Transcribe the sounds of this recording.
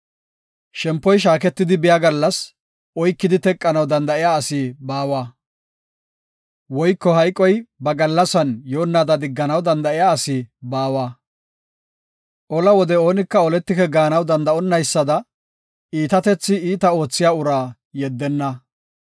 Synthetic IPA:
ʃɛmpːɔjʃ̬aːkɛt̪ːɪd̪ɪbɪjaːɡɐlːɐs | ʔɔjkːɪd̪ɪt̪ɛkʼːɐnɐwd̪ɐnd̪ɐʔɪjaːsɪbaːwaː | wɔjkːɔhɐjkʼːɔjbɐɡɐlːɐsɐnjo̞ːnːaːd̪ɐd̪ɪɡːɐnɐwd̪ɐnd̪ɐɪjaːsɪbaːwaː | ʔɔlɐwɔd̪ɛo̞ːnɪkːɐɔlɛt̪ːɪkɛɡaːnɐwd̪ɐnd̪ɐɔnːɐjsːɐd̪ɐ | iːt̪ɐt̪ɛt͡sːɪiːt̪ɐo̞ːt͡sːɪjaːʊɾaː | jɛd̪ːɛnːɐ

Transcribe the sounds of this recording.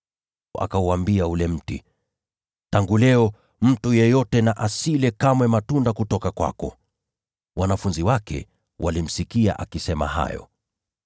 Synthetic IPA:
ʔa̰kauambiaulɛm̩tḭ | taŋɡulɛɔ | m̩tujɛjɔtɛnaʔasilɛkamwɛmatundakutɔkakwa̰kɔ | wʔanafunziwakɛ̰ | wʔalim̩sikia̰ʔakisɛma̰ɦa̰jɔ̰

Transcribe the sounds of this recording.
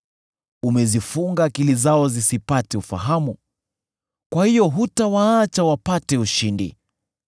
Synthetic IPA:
umɛzifuŋɡaːkilizaɔzisipatɛufa̰ɦamu | kwahijɔɦutawaat͡ʃawapatɛuʃindḭ

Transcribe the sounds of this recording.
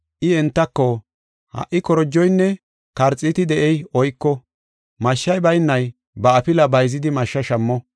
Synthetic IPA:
ʔɪɛnt̪ːɐkːɔ | hɐ̰ʔːɪkɔɾɔd͡ʒːɔjnːɛ | kɐɾt͡sʼːɪt̪ɪd̪ɛʔɛjɔjkːɔ | mɐʃːɐjbɐjnːɐj | bɐɐpɪlɐbɐjzɪd̪ɪmɐʃːɐʃɐmːɔ

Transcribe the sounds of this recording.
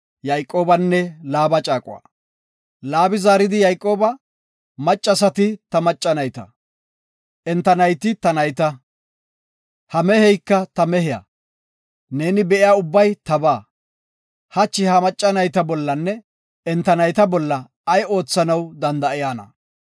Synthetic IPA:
jɐjkʼːo̞ːbɐnːɛlaːbɐt͡ʃʼaːkʼʊwa̰ː | laːbɪzaːɾɪd̪ɪjɐjkʼːo̞ːbɐ | mɐt͡ʃʼːɐsɐt̪ɪt̪ɐmɐt͡ʃʼːɐnɐjt̪ɐ̰ | ʔɛnt̪ːɐnɐjt̪ɪt̪ɐnɐjt̪ɐ | hɐmɛhɛjkːɐt̪ɐmɛɦɪjɐ̰ | ne̞ːnɪbɛʔɪjaːʊbːɐjt̪ɐbaː | hɐt͡ʃːɪhɐmɐt͡ʃʼːɐnɐjt̪ɐbɔlːɐnːɛ | ɛnt̪ːɐnɐjt̪ɐbɔlːɐː | jo̞ːt͡sːɐnɐwd̪ɐnd̪ɐʔɪjaːnɐ̰

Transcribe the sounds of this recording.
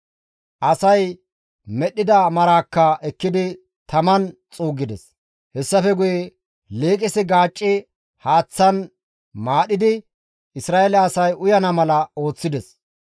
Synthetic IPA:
ʔɐsɐj | mɛɗɪd̪ɐmɐɾaːkːɐɛkːɪd̪ɪ | t̪ɐmɐnt͡sʼuːɡɪd̪ɛs | hɛsːɐfɛɡʊjɛ | leːkʼɪsɪɡaːt͡ʃʼːɪ | haːt͡sːɐn | maːɗɪd̪ɪ | ʔɪsɾaːelɛːsɐjʊjɐnɐmɐlɐo̞ːt͡sːɪd̪ɛs

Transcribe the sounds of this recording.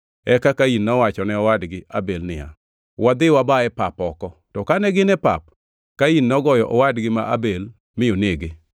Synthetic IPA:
ɛkakainnɔwat͡ʃɔnɛɔwadɡɪʔa̰belnɪa̰ | wad̪ɪwabaɛpapɔkɔtɔkanɛɡɪnɛpa̰p̚ | kainːɔɡɔjɔʔɔwadɡɪmaʔa̰bel | mɪoneɡɪ

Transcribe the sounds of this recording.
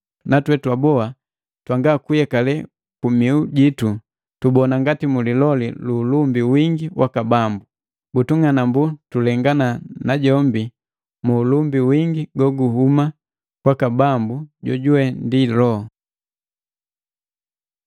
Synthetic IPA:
natwɛtwabɔa | twaŋɡakujɛkalɛ | kumiuɟitu | tubɔnaŋɡatimulilɔlḭluːlumbiwiŋɡiwʔakabambu | butuŋanambutulɛŋɡananaɟɔmbi | muːlumbiwiŋɡiɡɔɡuɦuma | kwakabambuɟɔ̰ɟuwɛndilɔ

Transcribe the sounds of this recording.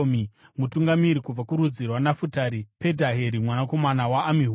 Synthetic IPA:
mi | mutuŋɡamiɾikub͡vakuɾud͡zirwanafutaɾipe̞dʱaɦeɾimwanako̞manawaʔːmiɦ

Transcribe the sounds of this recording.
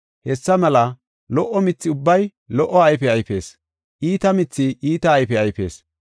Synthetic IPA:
hɛsːɐmɐlɐ | lɔʔːɔmɪt͡sːɪʊbːɐj | lɔʔːɔɐjfɛɐjfe̞ːs | ʔiːt̪ɐmɪt͡sːɪiːt̪ɐːjfɛɐjfe̞̰ːs

